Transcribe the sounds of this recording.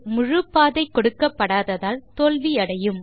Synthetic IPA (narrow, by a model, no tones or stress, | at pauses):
mʊɻɯpːaːðɐɪkːɔɽɯkːɐpːɐɽaːðɐðaːlt̪oːlʋiɐɽɐjɯm